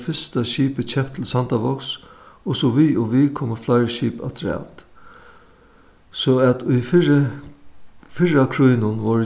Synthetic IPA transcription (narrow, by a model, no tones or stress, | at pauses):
fɪst̪aʃiːpət͡ɕʰɛmpt̪ʰɪlsant̪aʋɔksɔsɔʋiːɔʋiːkʰɔːməflaɪɹʃiːpa̰t̪ʰɾɛ̰ːt̪ | sɔæt̪ʊjf | fɪɻakʰɾujnʊnʋɔɾ